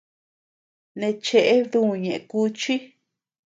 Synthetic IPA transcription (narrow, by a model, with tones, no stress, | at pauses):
nẽ˧t͡ʃe˧ʔe˦ðu˦˨ɲẽ˨ʔe˧ku˦t͡ʃi˦